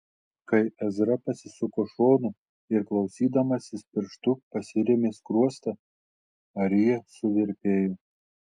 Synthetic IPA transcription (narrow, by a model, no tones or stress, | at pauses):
kɐɪɛzɾɐpɐsʲɪsʊkoʃoːnʊ | ɪɾklˠɐʊsʲiːd̪ɐmɐsʲɪspʲɪɾʃt̪ʊpɐsʲɪɾʲemʲeːskɾuɔst̪ɐ | ɐɾʲɪjɛsʊʋʲɪɾʲpʲeːjo